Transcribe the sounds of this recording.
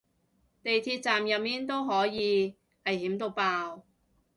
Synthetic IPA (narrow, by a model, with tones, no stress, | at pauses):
t̪e˨jt̪ʰiː˧t̚t͡saː˨mjɐ˨t̚miː˥nt̪o˥wɦɔː˨˥jiː˨˧ | hɐ˨jɦiː˨˥mt̪̬o˧wpaː˧w